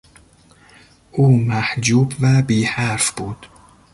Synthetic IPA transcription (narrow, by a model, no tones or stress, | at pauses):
ʔuːmæhd͡ʒuːbvæbiːhæɾfb̥uːd̪̥